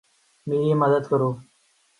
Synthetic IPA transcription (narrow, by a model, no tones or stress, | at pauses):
miːeːmɐd̪əd̪kɐɾuː